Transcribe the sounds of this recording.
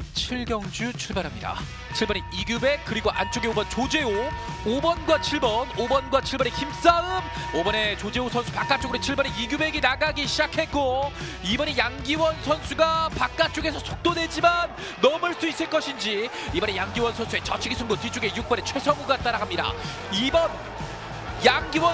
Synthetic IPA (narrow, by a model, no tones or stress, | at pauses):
t͡ɕʰiɭɡjʌŋd͡ʑut͡ɕʰuɭbaɾɦamɲida̰ | t͡ɕʰiɭbʌneiɡjube̞k̚k͈ɯɾiɡoʔant͡ɕ͈oɡeobʌnt͡ɕod͡ʑe̞o | obʌnɡwat͡ɕʰiɭbʌnobʌnɡwat͡ɕʰiɭbʌnekims͈aɯmobʌne̞t͡ɕod͡ʑe̞osʰʌnsʰupak͈at̚t͡ɕ͈oɡɯɾt͡ɕʰiɭbʌneiɡjube̞ɡinaɡaɡiɕʰid͡ʑakʰe̞t̚k͈o | ibʌnejaŋɡiwʌnsʰʌnsʰuɡapak̚k͈at͡ɕ͈oɡesʰʌsʰok̚t͈odwe̞d͡ʑimanː | ʌmɯɭs͈uis͈ɯɭk͈ʌɕʰind͡ʑi | ibʌne̞jaŋɡiwʌnsʰʌnsʰue̞t͡ɕʌt͡ɕʰiɡisʰuŋɡotit͡ɕ͈oɡe̞juk̚p͈ʌne̞t͡ɕʰwe̞sʰʌŋuɡat͈aɾaɡamɲida̰ | ibʌn | jaŋɡiwʌ